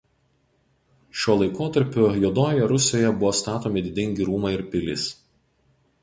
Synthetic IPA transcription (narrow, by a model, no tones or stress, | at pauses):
ʃʲoːlˠɐɪkoːt̪ɐɾʲpʲojoːd̪oːjɛɾʊsʲjoːjɛbʊʋoːst̪ɑːt̪oːmʲɪd̪ʲɪd̪ʲɪŋʲɡʲiɾuːmɐɪɾpʲɪlʲɪ̰s